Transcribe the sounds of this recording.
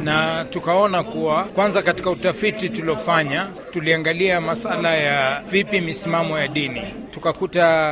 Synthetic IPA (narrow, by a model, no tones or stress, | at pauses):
natukaɔnakuwakwanzakati̥kautafitituliɔfaɲa | tuliaŋɡaliamasalajavipimisimamɔjaɗini | tukakuta